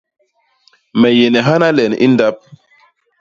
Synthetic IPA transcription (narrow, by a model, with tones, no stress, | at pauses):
mɛ˨je˨nɛ˨ɦa˦na˦lɛ˨nḭ˦nda˦p̚